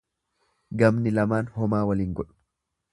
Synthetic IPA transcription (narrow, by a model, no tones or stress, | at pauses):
ɡɐmnɪlɐmaːnhɔmaːwɐliːŋɡɔᶑʊ̥